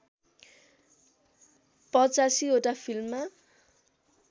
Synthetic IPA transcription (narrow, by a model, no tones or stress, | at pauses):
pʌt͡sasioʈapʰilmːa